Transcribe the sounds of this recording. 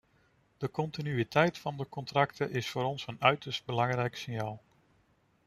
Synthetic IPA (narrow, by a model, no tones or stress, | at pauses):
d̥əkɔntinyitɛjtfɑndəkɔntrɑktʰəʔɪsfʊːɾɔnsənœɥtəɹsd̚bəlɑŋrɛjksɪnjaːlˠ